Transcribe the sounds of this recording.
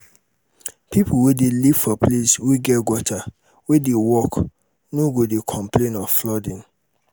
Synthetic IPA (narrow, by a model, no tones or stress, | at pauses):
pipʰuwedeliv̥fɔplesweɡɛtɡwɔtʰa | wedewɔk | noɡodekʰɔ̃mplẽnɔvflɔdĩn